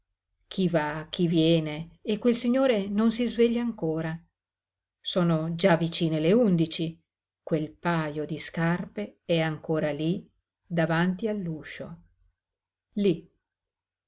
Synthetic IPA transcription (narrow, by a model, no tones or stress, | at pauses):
k̟ʰivak̟ʰːivjɛːneːkwelsiɲːoːɾenons̬izveʎːaːŋkoːɾa | soːnod͡ʒavit͡ʃiːneleund̪it͡ʃi | kwelpaːjod̪iskarpeɛaŋkoːɾali | d̪avant̪ialːuʃo̰ | li